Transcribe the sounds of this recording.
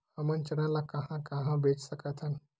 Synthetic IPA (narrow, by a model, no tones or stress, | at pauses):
amənt͡ɕənalakaɦãkaɦãbet͡ssəkat̪ʰan